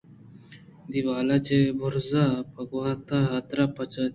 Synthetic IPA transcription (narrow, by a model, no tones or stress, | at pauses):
d̪iʋaːlat͡ɕebʱuɾzapəɡʋat̪aɦaːt̪ɾapət͡ʃa